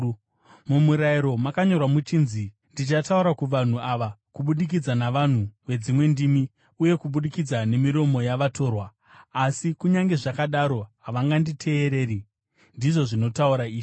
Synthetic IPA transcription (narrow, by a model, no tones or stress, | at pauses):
mumuɾaiɾo̞makaɲo̞rwamut͡ʃiːnzi | ndit͡ʃatauɾakuʋan̤uaʋakuɓuɗik̬id͡zanaʋan̤uʋe̞d͡zimwe̞ndimi | uje̞kuɓuɗikid͡zane̞miɾo̞mo̞jaʋatʰo̞ːrwaː | sikuɲaŋɡe̞ʐakaɗaɾo̞ɦaʋaŋɡanditʰe̞ːɾe̞ːri | ndiʐo̞ʐino̞tauɾaiːi